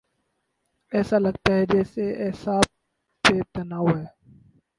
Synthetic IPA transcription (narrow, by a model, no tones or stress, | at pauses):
ɛːsalɐɡt̪aɦɛd͡ʒɛːseɛːsaːb̚ː | et̪ɐnaːwɦɛː